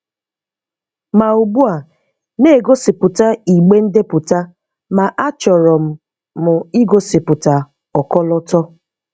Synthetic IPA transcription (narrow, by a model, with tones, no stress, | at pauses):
ma˨u˨bu˦a˨ | ne˦˨ɡo˦sɪ˨pʊ˨ta˦i˨ɡ͡be˦n̩˦de˦pʊ˨ta˦ | ma˨ʔa˦t͡ʃɔ˨ɾɔ˨m̩˨ | mʊ˨i˦ɡo˦sɪ˨pʊ˨ta˨ | ɔ˨kɔ˦lɔ˦tɔ˦